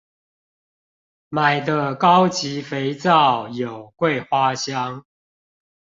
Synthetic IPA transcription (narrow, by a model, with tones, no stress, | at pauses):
ma˨˩ɪd̪ə˦kɑ˦ʊt͡ɕi˨˦fe˨˦ɪt͡sɑ˥˨ʊjo˨˩ʊkwe˥˨ɪxwa˦ɕjɑ˦ŋ